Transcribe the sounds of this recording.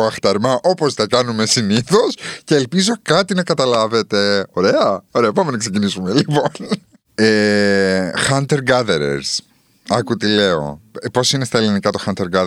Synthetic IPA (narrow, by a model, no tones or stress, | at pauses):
oɐxt̪ɐɾmɐʔo̞po̞st̪ɐkɐnume̞siniθo̞sce̞ːlpizo̞kɐt̪inɐkɐt̪ɐlɐve̞t̪e̞o̞ɾe̞ɐoɾeɐpɐme̞nɐkse̞cinisume̞lipon | e | xɐnt̪eɾɡɐðeɾḛɾs | ɐkut̪ile̞o̞̰po̞sinest̪ɐelinikɐt̪o̞xɐnt̪eɾɡɐð